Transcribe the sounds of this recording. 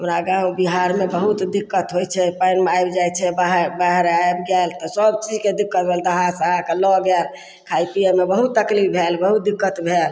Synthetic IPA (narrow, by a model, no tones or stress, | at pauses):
əmɾaɡãwbiɦaɾmebəɦut̪d̪ikːət̪ɦojt͡ʃʰɛpajnmeajbd͡ʒajt͡ʃʰɛbaɦbaɦəɾajebɡɛlt̪ɔsəbt͡ʃid͡ʒked̪ikːət̪̚bʱɛld̪əɦasaɦakelɔɡɛl | kʰajp̪ijəmebəɦut̪ːəklipbʱelbəɦut̪̚d̪ikːət̪bʱel